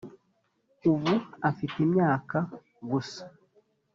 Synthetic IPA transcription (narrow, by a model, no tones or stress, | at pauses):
uβuafitemɲaːka | ɡusḁ